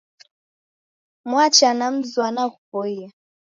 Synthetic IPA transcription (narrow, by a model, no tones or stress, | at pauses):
mwat͡ʃanam̩zwanakupɔia